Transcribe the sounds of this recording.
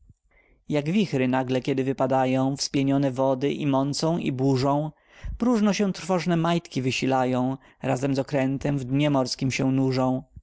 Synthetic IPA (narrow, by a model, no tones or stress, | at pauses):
jaɡvʲixɾɘnaɡlɛkʲɛd̪ɘvɘpad̪ajɔ̃w̃fspʲjeɲɔnɛvɔd̪ɘʔimɔnt̪sɔ̃w̃ḭbuʐɔ̃w̃ | pɾuʐnɔɕɛ̃t̪ɾfɔʐnɛmajt̪kʲivɘɕilajɔ̃w̃ | ɾazɛmzɔkɾɛnt̪ɛmvd̪ɲɛmɔɾskʲimɕɛ̃nuʐɔ̃w̃